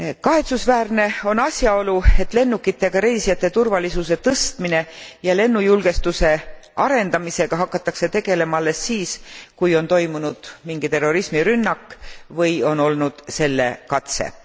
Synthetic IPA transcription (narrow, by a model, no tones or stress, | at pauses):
kɑɦe̞t̪susvæːrne̞o̞nɑsʲjɑo̞lue̞t̪ːˑle̞nːukːˑit̪ːˑe̞ɡ̥ɑɾe̞ːsijɑt̪ːˑet̪urvɑlisuse̞t̪ɤst̪mine̞jɑle̞nːujulɡ̥e̞st̪use̞ɑɾe̞nd̪̥ɑmise̞ɡ̥ɑɦɑkːɑt̪ːˑɑkset̪e̞ɡ̥e̞le̞mɑɑlːesːiːskujo̞nt̪o̞jmunud̪̥miŋɡit̪e̞rːo̞ɾismiɾynːɑkːvɤjo̞no̞lnud̪̥se̞lːe̞̰kɑt̪sḛ